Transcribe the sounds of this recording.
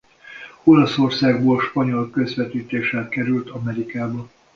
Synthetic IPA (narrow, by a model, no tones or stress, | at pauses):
o̞lɒso̞rsaːɡboːlʃpɒɲo̞lkø̞zʋɛt̪iːt̪eːʃɛlkɛɾylt̪ɒmɛɾikaːbɒ